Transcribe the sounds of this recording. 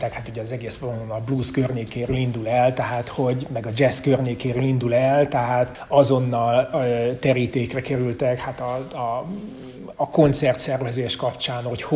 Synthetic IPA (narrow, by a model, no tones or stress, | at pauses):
t̪ɛkhat̪uɟɛɒzɛɡeːspolononɒbluːskørɲeːkeːɾøːlind̪ulɛlt̪ɛɦaːt̪ho̞ɟmɛɡɒd͡ʒɛskørɲeːkeːɾøːlind̪ulɛlt̪ɛɦaːt̪ | ɒzo̞nːɒløt̪ɛɾiːt̪eːkrɛkɛɾylt̪ɛkhat̪ɒ | ko̞nt̪sɛrt̪sɛrvɛzeːʃkɒpt͡ʃaːnho̞ch